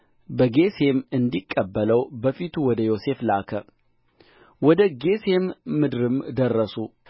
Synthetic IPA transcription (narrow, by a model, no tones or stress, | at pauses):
bəɡe̞se̞mɨnd̪ikʼːəbːələwbəfit̪ʰuwɔd̪əjo̞se̞flakʰə | wɔd̪əɡe̞se̞mːɨd̪ɾɨmd̪ərːəsu